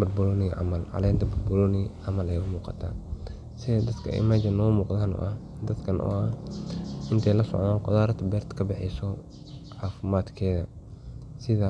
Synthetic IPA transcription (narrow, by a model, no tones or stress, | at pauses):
bʊd̪bʊlɔːnɪʕɑ̰mɐlʕɑ̰lɛːnt̪ʰɐbʊd̪bʊlɔniʕɑmɐlɛjʊmuːqɑ̰t̪ʰa̰ːn | sɪɛd̪ɐd̪kʰɐ̰ɪ̰mad͡ʒɐnːɔːmuːqd̪aːnɔ̰ːʔɐh | d̪ɐd̪kʰɐnʔɔ̰ʔɐ | ʔɪnt̪ʰɛjlɐsɔ̰ʕnaːnqɔðaːɾɐt̪ʰɐbɛːrt̪kʰɐbɪħɪsɔ | ʕaːfɪmaːd̪kʰɛːðɐ | sɪða